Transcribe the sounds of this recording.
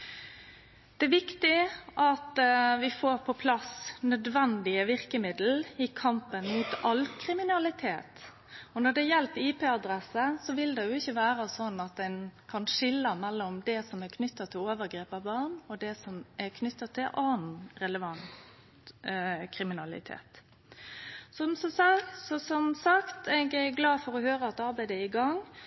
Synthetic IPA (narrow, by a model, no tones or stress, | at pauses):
d̪̥ɛæʋɪkt̪ɪʔɑt̪ʋɪfoːɾpʰɔpʰlɑsnœd̪ʋɛnd̪ɪəʋɪɾkəmɪd̪l̩ɪkʰɑmpənmuːt̪ɑlkʰɾɪmɪnɑlɪt̪ʰeːt̪ | ɔnɔɖ̪ɛjɛlt̪iːpeːɑd̪ɾɛsəsɔʋɪld̪ɛjʊɪçːəʋæːɾɑsɔnːɑt̪̚d̪ɛnkʰɑnʂɪlːɑmɛlːɔmd̪ɛsɔmækʰnʏt̪ːɑt̪ʰːɪloːʋəɾɡɾeːpɑbɑʁɳɔd̪ɛsɔmæɾkʰnʏt̪ːɑt̪ʰːɪlʔɑːn̩ɾɛləʋɑn | kʰɾɪmɪnɑlɪ̰t̪ʰḛːt̪ | sɔmsɔssɔsɔmsɑkt̪ʰɛɡɛɡlɑːfɔɾɔhøːɾəɑt̪ɑɾbæɪd̪əɪɡɑŋ